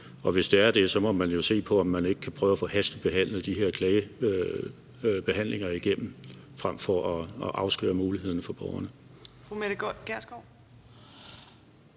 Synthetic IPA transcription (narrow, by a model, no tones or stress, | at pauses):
ɒ̽ʋe̝sd̥e̝æɐd̥e̝sɒ̽mɒ̽mænjo̝se̝̰ːpʰɒ̽ɒ̽mːæne̝ɡ̥ə̥kʰæpʰʁœːʊɐfɔhæsd̥ð̩ˠb̥e̝ɦæn̰lð̩ˠd̥iɦe̝ɐ̰kʰlɛɪə | b̥e̝ɦæn̰le̝ŋɐiɡ̥em̰m̩fʁam̰fɒʔɒʔɑ̈ʊsɡ̥ø̰ːɐmuːlihe̝ð̰ˠn̩fɒ̽b̥ɒʊɐnəfʁumeɾɡ̥æɐsɡ̥ɒ̰